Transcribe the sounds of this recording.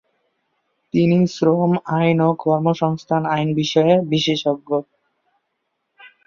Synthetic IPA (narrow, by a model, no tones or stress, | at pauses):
t̪inisɾomajnokɔɾmoʃɔŋst̪ʰanajnbiʃɔebiʃeʃoɡːo